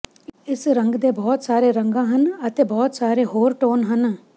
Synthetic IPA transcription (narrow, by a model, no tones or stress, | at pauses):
ɪsɾə̃ŋɡd̪eːbɔːt̪saːɾeːɾə̃ŋɡãːɦənət̪eːbɔːt̪saːɾeɦoːɾʈoːnɦən